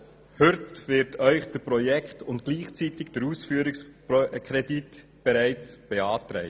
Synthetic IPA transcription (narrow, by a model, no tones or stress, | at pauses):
hʏtʋɪɾtʰœʏχd̥əpɾɔjɛkχtʊntɡ̥liːχt͡sitɪkd̥əɾusfyːəɾɪkspkʰɾɛdit | b̥ɛɾæɪt͡sb̥eɑːt̪ɾɛ̰ɪ